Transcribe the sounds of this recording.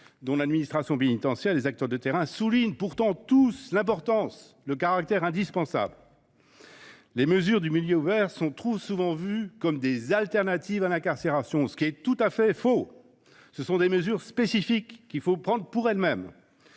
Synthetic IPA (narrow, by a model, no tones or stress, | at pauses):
d̪ɔ̃lad̪minist̪χasjɔ̃penit̪ɑ̃sjɛllːezak̚t̪œʁd̪ət̪eʁɛ̃suliɲpuʁt̪ɑ̃t̪uslɛ̃p̬ɔʁt̪ɑ̃s | ləkaʁak̚t̪ɛʁɛ̃d̪ispɑ̃sa̰bl | leməzyʁd̪ymiljøuvɛʁsɔ̃t̪χusuvɑ̃vykɔmd̪ezalt̪ɛʁnat̪ivalɛ̃kaʁseʁasjɔ̃sə̥kʲiɛt̪ut̪afɛfo | səsɔ̃d̪eməzyʁspesifikːilfopχɑ̃d̪ʁpuʁɛlmɛm